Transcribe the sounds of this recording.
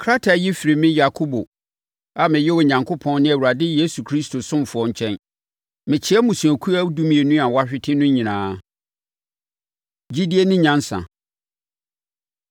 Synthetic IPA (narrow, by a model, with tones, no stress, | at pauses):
kʰɾa˦tʰa˨ji˦fɪ˨ɾi˨mɪ̃˦ja˨kʰo˦bo˨ | a˨mɪ̃˨jɛ˦wɔ˨ɲã˨ŋkʰo˦pʰɔ̃˦nnɪ̃˦æ˨wu˨ɾa˨dɪ˦je˦su˨kʰɾi˦stʰo˨sʊ̃˦mfʊ˨ɔ˦ɲ̩˨t͡ɕʰɛ̃˦n | mɪ̃˨t͡ɕʰɪ˦ɛ˦mũ˨sũ˨æ˨kʰu˦a˦du˦mĩ˨e˨nũ˦a˨wa˦ɕᶣɪ˦tʰɪ˦nʊ̃˦ɲĩ˨nãː˨˦ | d͡ʑi˦di˦e˦nɪ̃˦ɲã˦n˦sã̰˨